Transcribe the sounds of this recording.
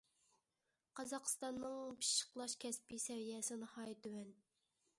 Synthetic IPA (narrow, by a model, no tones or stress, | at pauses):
qʰɑzɑqst̪ɑnːɨŋpʰi̥ʃə̥qlˠɑʃkʲʰɛspisɛvijɛsɪnɨhɑjt̪ywɛn